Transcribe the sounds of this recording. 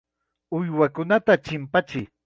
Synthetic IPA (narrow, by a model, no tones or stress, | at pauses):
ʊjwakʊnat̪at͡ʃɪmpat͡ʃɪj